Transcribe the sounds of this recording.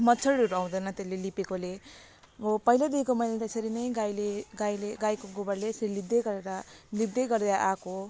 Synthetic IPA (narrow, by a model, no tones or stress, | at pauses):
mʌtt͡sʰʌɽɾuɾuaw̃d̪ʌjnʌt̪elːelipekole | bopʌjlad̪iekomʌjnat̪esʌɾinʌjɡajleɡajleɡajkoɡobʌɾlesʌɾilibd̪ʌjɡʌɾeɾʌlib̚d̪ʌjɡʌrd̪eɾʌʔako